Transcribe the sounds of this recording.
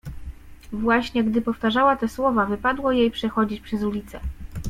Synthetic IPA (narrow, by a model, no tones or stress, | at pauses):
vwaɕɲɛɡd̪ɘpɔft̪aʐawat̪ɛswɔvavɘpad̪wɔjejpʂɛxɔd͡ʑit͡ɕpʂɛzulʲit̪sɛ